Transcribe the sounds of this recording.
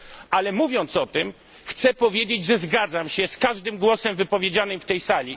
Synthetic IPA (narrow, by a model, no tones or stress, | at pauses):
alɛmuvʲjɔnt̪sɔt̪ɘm | xt̪sɛpɔvʲjed͡ʑed͡ʑʐɛzɡad̪zamɕɛskaʐd̪ɘmɡwɔsɛmvɘpɔvʲjed͡ʑanɘmft̪ɛjsalʲi